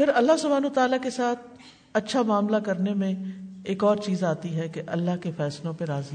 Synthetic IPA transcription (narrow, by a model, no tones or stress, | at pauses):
pʰɪɾɐlːaɦsʊbʱaːnoːt̪aːlakesaːt̪̚ʰ | ɐtːʃʰamaːmlakɐɾnemẽeːkɔːɾt͡ʃiːzaːt̪iɦɛkeʔɐlːaɦkefɛːslõpeɾaːzi